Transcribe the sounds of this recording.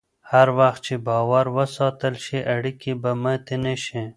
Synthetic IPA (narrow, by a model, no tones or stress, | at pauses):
haɾwaxt̪̚t͡ʃebɑːwaɾwəsɑːt̪əlʃiʔaɽikibamə̃t̪eneʃẽ